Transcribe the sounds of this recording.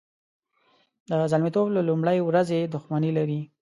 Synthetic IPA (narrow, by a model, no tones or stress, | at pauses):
d̪əzalmit̪oblalumɽajwɾazed̪ʊxmanilaɾi